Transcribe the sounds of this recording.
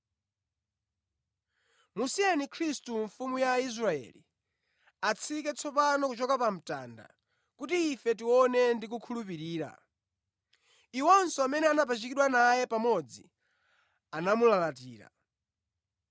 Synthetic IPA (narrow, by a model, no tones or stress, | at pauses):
musianikʰɾistuɱfumujais̬ɾaɛ̰lḭ | at͡sʰikɛt͡sʰɔpanɔkut͡ʃɔkapam̩ta̰ːnda̰ | kutiːfɛt̬iwɔnɛndikukʰulupiɾiːɾa̰ | iwɔnsɔamɛnɛanap̬at͡ʃikiɗwanajɛpamɔd͡zi | anamulalatiːɾa̰